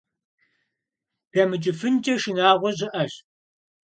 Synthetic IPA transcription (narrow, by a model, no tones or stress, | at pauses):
b̥aːmɨd͡ʒʼɪfɨnd͡ʒʼɐʃɨnaːʁʷɔʑɪʔɐɕ